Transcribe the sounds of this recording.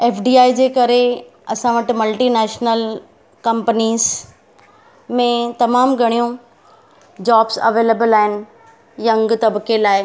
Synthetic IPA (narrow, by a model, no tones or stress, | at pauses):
eːfɖiːaːid͡ʑeːkɐɾe | ɐsãʋɐʈmɐlʈiːnɛːʃnəl | kɐ̃mpəniːz | mẽt̪ɐmaːmɡʱɐɽ̃ijũ | d͡ʑaːbsɐ̰ʋeːleːbəlaːɪnɪ̆ | jɐ̃ŋɡt̪ɐbkelaːɪ